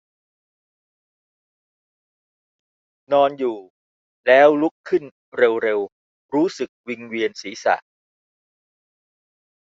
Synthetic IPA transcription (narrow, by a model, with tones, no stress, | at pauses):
nɔː˧njuː˨˩ | lɛː˦˥wlu˦˥kʰːɯ˥˩n | ɾe˧wɾe˧w | ɾuː˦˥sɯ˨˩k̚wi˧ŋwi˧ənsiː˩˦sa̰˨˩ʔ